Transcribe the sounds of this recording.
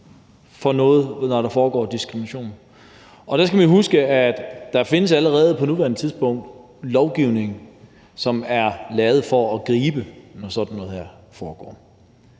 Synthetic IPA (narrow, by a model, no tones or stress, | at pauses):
fɒ̽nɔ̽ːð̞̩ˠnɒɾ̥ɑ̈fɒːɡ̥ɒ̰ːd̥isɡ̥ʁiminæɕo̝̰ːn̩ | ɒ̽d̥ɑsɡ̥æʋiɦusɡ̥əæd̥ːɑ̈fe̝nəsæləʁɛːð̞̩ˠpʰɒ̽nuʋæɐnət͡sʰiðˠsb̥ɔ̽ŋ̰d̥ | lɒʊɡ̥iʊ̰ne̝ŋ̩ | sɒ̽mæɐlɛːʊð̩ˠfɒ̽ːɡ̥ʁiːb̥ənɒsɒ̽d̥n̩ːɔ̽ːðˠhæɐ̰ | fɒːɡ̥ɒ̰ː